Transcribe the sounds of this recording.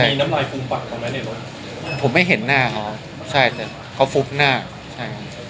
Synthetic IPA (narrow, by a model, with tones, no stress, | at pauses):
a˥˩iː˧na˦˥mlaː˧jkʰu˧ŋpa˨˩k̚ʰːɔ˧mɛ˦˥ne˨˩lo˧˦˩ | pʰo˨˩˦mːa˥˩jɦe˩˦nːaː˥˩kʰa˦˥w | t͡ɕʰa˥˩jt̪ɛ˨˩ | kʰa˦˥˩wfu˦˥p̚naː˥˩ | t͡ɕʰa˥˩jkʰa˦˥